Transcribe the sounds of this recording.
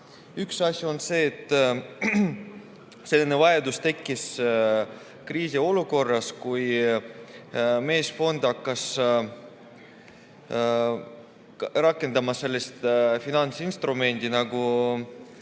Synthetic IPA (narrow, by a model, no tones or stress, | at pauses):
yksɑsʲjuo̞nse̞ːt̪ː | se̞lːinevɑjed̪ust̪e̞kːis | kriːsio̞luko̞rːɑskuj | me̞ːsfo̞nd̪̥ɑkːɑs | rɑkːˑe̞nd̪ɑmɑse̞lːest̪finɑnt̪sinst̪rume̞nʲd̪̥inɑɡ̥u